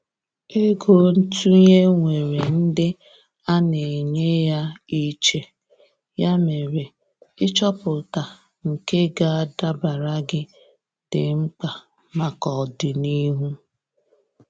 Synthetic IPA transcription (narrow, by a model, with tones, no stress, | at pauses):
e˦ɡo˦n̩˦tu˦ɲe˦ŋʷe˨ɾe˨n̩˦dɪ˦ | a˦ne˨ɲe˦ja˦i˦t͡ʃe˨ | ja˦me˨ɾe˨ | ɪ˦t͡ʃɔ˦pʊ˨ta˨ | ŋ̩˨ke˦ɡa˦a˦da˦ba˨ɾa˦ɡɪ˦ | d̥ɪ˨ŋ͡m̩˦k͡pa˨ | ma˨kɔ˨dɪ˨ni˦ɦu˦